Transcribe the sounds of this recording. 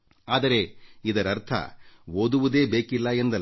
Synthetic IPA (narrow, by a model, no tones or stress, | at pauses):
aːd̪ɐɾe̞id̪ɐɾɐɾt̪ʰɐ̰oːd̪uʋud̪e̞ːbeːkilːɐend̪ɐ